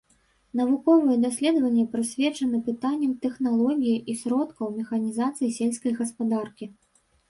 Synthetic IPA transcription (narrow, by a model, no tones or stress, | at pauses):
n̪ɐvukɔvɨjɛd̪asʲlʲɛd̪ɐvɐnʲːɛpɾɨsʲvʲɛt͡ʂɐnɨpɨt̪anʲːɐmt̪ɛxnalˠɔɣʲijiʔisʲɾɔt̪kɐwmʲɛxɐnʲizat̪sɨjisʲelʲsʲkɐjɣɐspad̪arkʲi